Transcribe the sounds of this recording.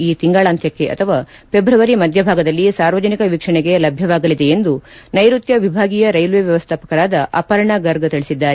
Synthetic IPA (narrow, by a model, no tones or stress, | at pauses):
iːt̪iŋɡaːɭaːnt̪ʰjɐkːe̞ʔɐ̰t̪ʰɐʋaː | pe̞bɾɐʋɐɾimɐd̪ʱjɐbʱaːɡɐd̪ɐlːisaːɾʋɐd͡ʒɐnikɐʋikʂɐɳeɡe̞lɐbʱjɐʋaːɡɐlid̪e̞end̪unɐjɾut̪jɐʋibʱaːɡijɐɾɐjlʋeʋjɐʋɐst̪ʰaːpɐ̥kɐɾaːd̪ɐʔɐ̰ːpɐɾɐɳaːɡɐɾɡɐt̪iɭisid̪ːaːɾe